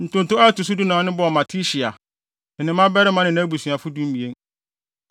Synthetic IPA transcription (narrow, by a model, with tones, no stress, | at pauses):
n̩˨tʊ̃˦ntʊ˦a˦tu˨s̬u˦du˦nãː˨˦nɪ̃˦bɔ˦˨ɔ˨mã˨tʰi˦ɕi˨a˨ | n̩˨nɪ̃˨˦mã˦bɛ˦ɾɪ˦mã˦nɪ̃˨ñː˦bu˨sĩ˨a˨fʊ˦dũ˦m˦bi˨e˦n